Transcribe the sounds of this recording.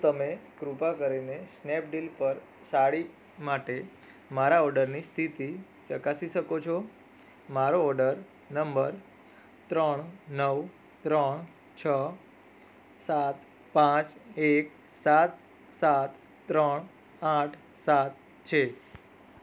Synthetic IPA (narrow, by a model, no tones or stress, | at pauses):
t̪əmekɾupakəɾinesnɛp̚ɖilpəɾ | saɽi | maʈe | maɾaɔɾɖəɾnist̪ʰit̪i | t͡ʃəkasiʃəkot͡ʃʰo | maɾoɔɾɖəɾ | nəmbəɾ | t̪ɾəɳ̃nəw | t̪ɾəɳ | t͡ʃʰə | sat̪ | pãt͡ʃek | sat̪ | sat̪ | t̪ːɾəɳ | aʈʰ | sat̪̚ | t͡ʃʰe